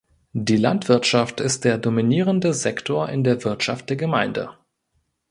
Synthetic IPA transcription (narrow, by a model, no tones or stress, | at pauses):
diːla̰ntv̥ɪɐtʃaftɪst̚d̥eːɐdominiːʁ̞əndəzɛktʰoːɐʔɪndeːɐvɪɐtʃaft̚d̥eːɐɡəmaɪndə̰